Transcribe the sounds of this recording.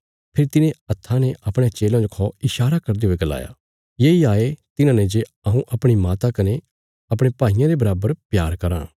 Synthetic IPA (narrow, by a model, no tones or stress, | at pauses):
pʰɪɾit̪ɪnẽɐt̪ʰːaneʔɐpɽ̃et͡ʃeːlãd͡ʒokʰɔɪʃaːɾakɐɾd̪eɦʊeɡɐla̰ːja̰ː | jeːiaːet̪ɪnãːned͡ʒe | ɐɦũʔɐpɽ̃imaːt̪akɐne | ɐpɽ̃epaːijãɾebɐɾaːbəɾpjaːɾkɐɾã̰ː